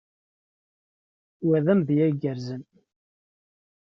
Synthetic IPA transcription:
wæðæmðjæɡəɾzən

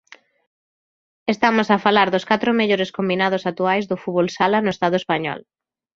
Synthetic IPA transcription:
est̪amʊsafalaɾðʊskat̪ɾʊmeʎoɾeskombinað̞ʊsat̪uajzðʊfuβolsalanʊest̪aðʊespaɲɔ̰l

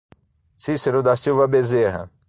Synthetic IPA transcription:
siseɾʊd̪asiwvɐbezeɦɐ̰

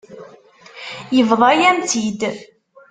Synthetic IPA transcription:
jəvðˤɑjæmt̪ʰid̪

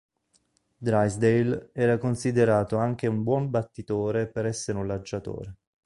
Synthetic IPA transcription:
d̪ɾajsd̪ejlɛːɾakonsid̪eɾaːt̪oaŋk̟eumbwɔmbat̪ːit̪oːɾepeɾɛsːeɾunlad͡ʒːat̪o̰ːɾe

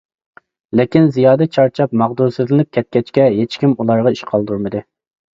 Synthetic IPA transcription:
lɪkʲinzijɑːd̪ɛt͡ʃʰɑɾt͡ʃʰɑp̚mɑʁd̪uɾsɨzlɪnɪp̚kʲʰɛt̪̚kʲɛt͡ʃkʲɛɦet͡ʃkʲimulˠɑɾʁɑiʃqʰɑlˠd̪uɾmɨd̪ɨ

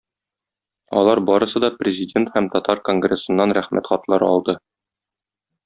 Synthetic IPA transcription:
ɒ̰lˠɑɾbɒɾɤ̆sɤd̪ɒprʲɪzʲɪdʲe̞nt̪hæmt̪ɒt̪ɑɾko̞ŋɡrʲe̞sɤ̆nːɑnɾæχmæ̰t̪χɒt̪lˠɑɾɒ̰lˠd̪ɤ

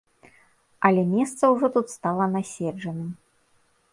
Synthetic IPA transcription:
ɐlʲɛmʲɛst̪sɐwʐɔt̪ut̪st̪alˠɐnasʲɛd͡ʐɐnɨm

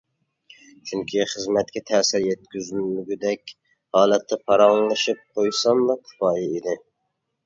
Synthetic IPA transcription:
t͡ʃʰyŋkʲʰiχəzmɛt̪̚kʲɛt̪ʰɛːsɪɾjɛt̪̚kʲʰyzlmyɡʲyd̪ɛkʲ | hɑːlˠɛt̪ʰːɛpʰɑɾɑŋlˠɨʃɨp̚qʰojsɑmlɑkʲʰʊ̥fɑːjɛid̪ɪ

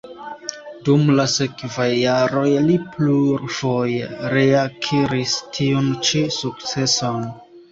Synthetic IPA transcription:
dumlase̞kvajːaɾo̞jlipluɾfo̞jeɾeakʰiɾistʰiont͡ʃisuk̚t͡se̞son

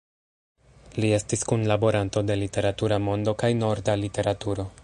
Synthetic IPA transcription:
lie̞stiskunlabo̞ɾanto̞de̞lite̞ɾatuɾamo̞ndo̞kajno̞ɾdalite̞ɾatuɾo̞

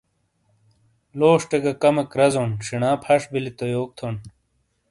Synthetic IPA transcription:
loːʂʈeɡɐkɐmɐkɾɐzonʂiɳãːpʰɐʂbilit̪ojoːk̚t̪ʰoːn

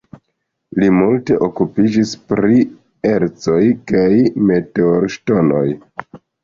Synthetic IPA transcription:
limulte̞ʔo̞kupid͡ʒispɾi | eɾt͡so̞jkajme̞te̞oɾʃto̞no̞̰j

